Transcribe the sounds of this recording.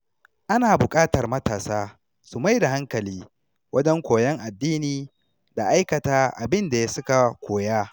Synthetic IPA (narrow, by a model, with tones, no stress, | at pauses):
ʔa˦naː˨bʊ˨kʼaː˦tɐ˨rmɐ˦taː˨saː˦ | su˨ma˦jda˨ɦa˦ŋkɐ˨liː˦ | wɐ˦d͡ʒɛ˦ŋkʷoː˨jɛ˦ŋʔa˨dːiː˦niː˨ | da˨ʔa˦jkɐ˨taː˦ʔa̰˨bɪ˦nda˨ja˦sʊ˦ka˨kʷoː˨jaː˦